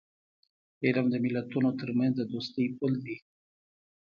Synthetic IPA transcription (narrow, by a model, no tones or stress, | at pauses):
eɾamd̪əmilət̪unot̪əɾmənd̪əd̪ost̪əjpold̪i